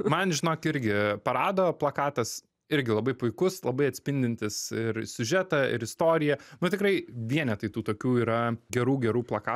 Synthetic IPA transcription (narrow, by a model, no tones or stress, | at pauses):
mɐnʒʲɪnoːkɪɾʲɡʲɪpɐɾɑːd̪oːplˠɐkɑːt̪ɐs | ɪɾʲɡʲɪlˠɐbɐɪpʊɪkʊslˠɐbɐɪɐt̪ʲsʲpʲɪnʲd̪ʲɪnʲt̪ʲɪsɪɾsʲʊʒʲɛt̪ɐɪ̰ɾɪst̪oːɾʲɪjɛnʊt̪ʲɪkrɐɪʋʲiɛnʲɛt̪ɐɪt̪uːt̪oːkʲuːiːɾɐɡʲɛɾuːɡʲɛɾuːplˠɐkɑː